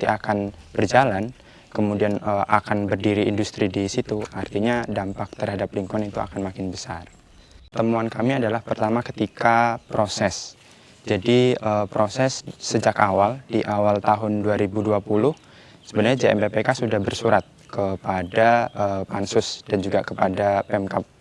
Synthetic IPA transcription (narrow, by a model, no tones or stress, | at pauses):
t̪iakanb̥ərd͡ʒalan | kəmudianəʔakanbərdiɾiːndust̪ɾidisit̪uʔart̪iɲadampak̚t̪ərhadapliŋkuŋanit̪ua̰kanmakɪnbəsar | t̪əmuankamiadalahpərt̪amakət̪ikapɾosɛs | d͡ʒadiəpɾosɛsːəd͡ʒakawald̥iʔawalt̪aɦʊnduaɾibuduapulʊh | səbənarɲad͡ʒeɛmpepekasudahbərsuɾat̪̚kəpadaəpansʊsd̥and͡ʒuɡakəpadapeɛmkap̚